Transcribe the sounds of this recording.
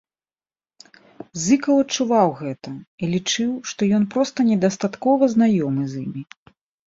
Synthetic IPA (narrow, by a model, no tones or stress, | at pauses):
zɨkɐwɐt͡ʂːuvawɣɛt̪ɐilʲit͡ʂɨwʂt̪ɔjɔnpɾɔst̪ɐnʲɛd̪ast̪at̪kɔvɐznajɔmɨzimʲi